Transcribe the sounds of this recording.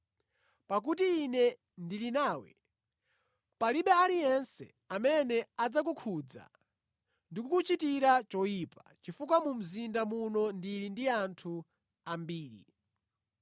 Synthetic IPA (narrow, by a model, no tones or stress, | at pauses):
pak̬ut̬iːnɛ | ndilinaːwɛ̰ | paliɓɛalijɛnsɛ̰ | amɛnɛad͡zak̬ukʰud͡za̰ | ndikukut͡ʃitiɾat͡ʃɔjiːpat͡ʃifuk̬wamum̩zindamunɔndilindiantʰu | ambiːɾḭ